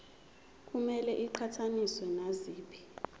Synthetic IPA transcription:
k̬ʼumɛlɛʔiǃʰatʰaniswɛnaziːpʰi̥

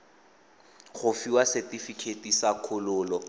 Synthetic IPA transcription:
χʊfiwasɛtifikʰetisakʰʊlʊːlɔ

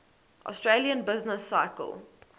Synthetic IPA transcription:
ʔɔ̰stɹeliə̃nbɪznəsːaɪkə̰lˠ

